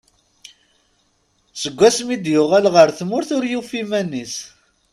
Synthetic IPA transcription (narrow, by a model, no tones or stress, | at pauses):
səɡʷːæsmid̪jʊʁælʁəɾθmʊɾθʊɾjufimænːis